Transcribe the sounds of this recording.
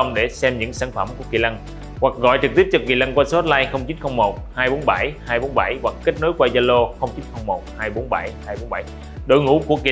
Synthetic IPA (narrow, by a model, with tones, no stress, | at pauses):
wŋ͡mɗe˧˩sɛ˧mɲɨ̰˧˥ŋsaː˧˩ŋfə˧˩mku˧˩əkḭ˧˩la˧ŋ | hwa˨˩k̚ɣɔ̰˧˨jt͡ɕɨ˨˩k̚t̪i˦˥p̚t͡ɕɔ˧kḭ˧˩la˧ŋkwaː˧so˦˥t̚laː˧jxə˧wŋ͡mt͡ɕi˨˦nxə˧wŋ͡mmo˨˩t̚haː˧jɓo˨˦nɓa˧˩jhaː˧jɓo˨˦nɓa˧˩jɣwa˨˩k̚kə˦˥k̚no˨˦jkwaː˧jzaː˧lo˧xə˧wŋ͡mt͡ɕi˨˦nxə˧wŋ͡mmo˨˩t̚haː˧jɓo˨˦nɓa˧˩jhaː˧jɓo˨˦nɓa˧˩j | ɗo̰˧˨jŋṵ˧˥ku˧˩əkḭ˧˨